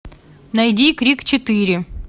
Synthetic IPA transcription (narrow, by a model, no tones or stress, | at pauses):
nɐjdʲikɾʲikt͡ɕɪt̪ɨɾʲɪ